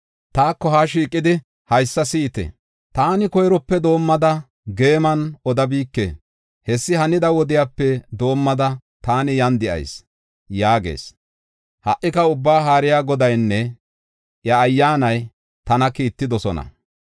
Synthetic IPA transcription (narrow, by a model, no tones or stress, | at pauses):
t̪aːkːɔhaːʃiːkʼːɪd̪ɪ | hɐjsːɐsiːt̪ɛ̰ | t̪aːnɪkɔjɾɔpːɛd̪o̞ːmːɐd̪ɐ | ɡe̞ːmɐnɔd̪ɐbiːkːḛː | hɛsːɪɦɐnɪd̪ɐwɔd̪ɪjaːpːɛd̪o̞ːmːɐd̪ɐ | t̪aːnɪjɐnd̪ɪʔɐ̰js | jaːɡe̞̰ːs | hɐʔːɪkɐʊbːaːɦaːɾɪjaːɡɔd̪ɐjnːɛ | ʔjɐːjːaːnɐj | t̪ɐnɐkiːt̪ːɪd̪ɔsɔnɐ̰